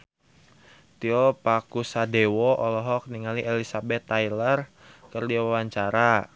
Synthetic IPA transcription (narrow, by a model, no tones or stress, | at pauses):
t̪iɔpakusadewɔʔɔlɔɦɔk̚niŋaliʔelisabɛt̪ːajlər | kərdiawawaɲt͡ʃaɾa